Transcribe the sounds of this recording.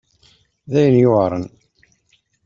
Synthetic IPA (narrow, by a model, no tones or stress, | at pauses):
ðæjənjʊʁɾˤən